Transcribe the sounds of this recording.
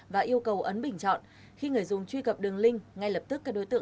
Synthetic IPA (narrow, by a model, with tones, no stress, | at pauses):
vaː˨˩ʔi˧əwkə˨˩wʔə˨˦nɓï˨˩ŋ̟t͡ɕɔ̰˧˨nʔ | xi˧ŋɨ˨˩əjzʊ˨˩ŋ͡mt͡ɕwi˧kə˨˩p̚ɗɨ˨˩əŋlï˧ŋ̟ŋa˧jlə˨˩p̚t̪ɨ˦˥kːaː˦˥k̚ɗo˨˦jt̪ɨ̰˧˨